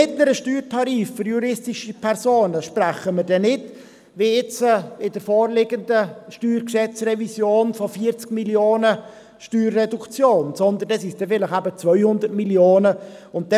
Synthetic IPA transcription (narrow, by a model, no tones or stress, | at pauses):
ɪtnəɾəʃtyːɾtʰɑɾiːffʏɾjuɾɪstɪʃipʰɛɾsoːnəʃpræχəməɾdɛnɪt | ʋiːɪt͡sɪdəɾfoːɾlɪɡəndəʃtyːɾkʃɛt͡srɛvisjoːnfɔfiːəɾt͡skmiljoːnə | ʃtyːɾːɛdukt͡sjoːnsɔnd̪əndɛsisd̥ɛfɪləχæbət͡sʋœʏhʊnd̪ətmiljoːnəʊnt̚d̥ɛ